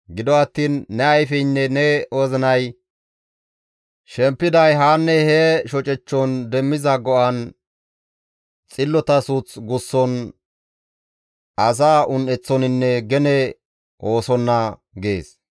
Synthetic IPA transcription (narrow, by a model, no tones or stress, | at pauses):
ɡɪd̪ɔɐt̪ːiːnːɛɐjfɛjnːɛnɛoːzɪnɐj | ʃɛmpːɪd̪ɐjɦaːnːɛhɛʃɔt͡ʃʼɛt͡ʃːɔnd̪ɛmːɪzɐɡɔʔɐn | t͡sʼɪlːɔt̪ɐsut͡sɡʊsːɔn | ʔɐs̬aːʔʊnɛt͡sːɔnɪnːɛɡɛnɛ | o̞ːsɔnːɐ | ɡe̞ːs